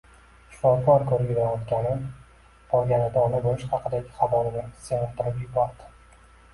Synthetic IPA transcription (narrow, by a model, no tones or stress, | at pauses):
ʃɪ̥fɒkʰɒɾkʰɵɾɡʲɪzajɒt̪ɡʲanɪm | pʰɒɾɡʲanɪd̪aːnabolɪʃhɑqʰɨd̪aɡʲɪχɑvɒlɪnɪɾɪ̥senɪt̪ɪɾɪpjɪbaɾd̪ɪ̥